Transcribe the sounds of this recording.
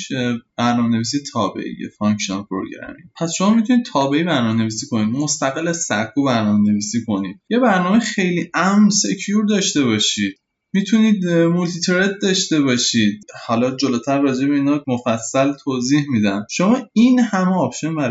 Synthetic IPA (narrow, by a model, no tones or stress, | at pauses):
b̥æɾnɒːmene̞viːs̬ijet̪ʰɒːbḛʔḭjḛfɒŋkʃonpʰoɾo̰ɡɾæ̰mḭpʰæsʃo̞mɒmit̪ʰunid̪̚t̪ʰɒːbe̞ibæɾnɒːmene̞viːsiːko̞niːd̪most̪æɣelːæzsækʰːubæɾnɒːmene̞viːsiːkʰo̞niːd̪̥je̞bæɾnɒːmexe̞jliːʔæmnse̞cʰjuɾd̪ɒːʃt̪e̞βɒʃiːd̪̥̚ | mit̪ʰuniːd̪mult̪ʰit̪ʰeɾed̪̚d̪ɒʃt̪e̞bɒːʃid̪̥̚hɒlɒd͡ʒoloːt̪ʰæɾːɒːd͡ʒe̞beiːnɒmofæsːælt̪ʰoːzihmid̪ænʃo̞mɒːinhæmeɒpʃonbæɾ